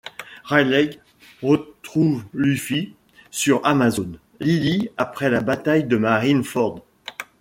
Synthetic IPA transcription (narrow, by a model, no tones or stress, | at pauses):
ʁajlɛɡ | ʁət̪χuvlyfi | syʁamazɔn | liliapχɛlabat̪ajd̪əmaʁinfɔʁd̪